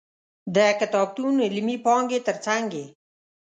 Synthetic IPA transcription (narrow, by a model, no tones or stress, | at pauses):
d̪aːkɐt̪ɔːb̚t̪uːnelimiːpɔːŋɡeːt̪ɐɾt͡saŋɡe